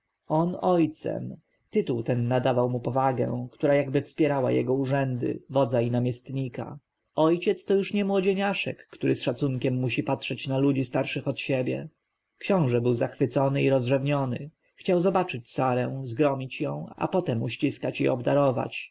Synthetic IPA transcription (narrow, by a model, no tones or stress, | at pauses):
ɔnɔjt̪sɛ̰m | t̪ɘt̪uwt̪ɛnːad̪avawmupɔvaɡɛ̰̃kt̪uɾajaɡbɘfspʲjɛɾawa̰jɛ̰ɡɔuʐɛnd̪ɘ̰vɔd̪zainamʲjɛst̪ɲika̰ | ɔjt͡ɕɛt̪st̪ɔjuʂɲɛmwɔd͡ʑeɲaʂɛ̰kːt̪uɾɘsʂat̪suŋkʲɛmːuɕipatʂɛt͡ɕnalud͡ʑist̪aɾʂɘxɔt̪ɕebʲjɛ̰ | kɕɔ̃w̃ʐɛbɘwzaxfɘt̪sɔnɘiɾɔzʐɛvɲɔnɘ̰ | xt͡ɕawzɔbat͡ʂɘt͡ɕsaɾɛ̃zɡɾɔmʲit͡ɕjɔ̃w̃a̰pɔt̪ɛmuɕt͡ɕiskat͡ɕḭɔbd̪aɾɔva̰t͡ɕ